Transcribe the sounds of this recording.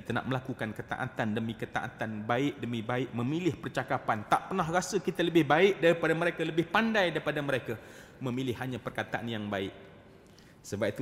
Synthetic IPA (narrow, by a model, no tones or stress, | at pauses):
kit̪ana̰ʔməlakukankət̪a̰ʔa̰t̪andəmĩkət̪a̰ʔa̰t̪anbaɪʔ̚dəmĩbaɪʔ̚mə̃milɪhpərt͡ʃakapant̪aʔpərnaɦrasəkit̪aləbɪhbaɪʔ̚daɾipadamə̃ɾekaləbɪhpandajdaɾipadaməɾekamə̃mĩlɪhɦaɲãpərkat̪aʔanjaŋbaɪʔ | səbap̚it̪u